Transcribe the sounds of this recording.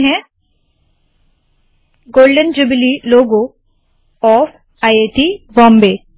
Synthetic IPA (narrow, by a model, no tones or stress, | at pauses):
ɦɛ̃ | ɡoːlɖənd͡ʒʊbliloːɡo | ɔːf | ajeʈibɔ̃ːmbeː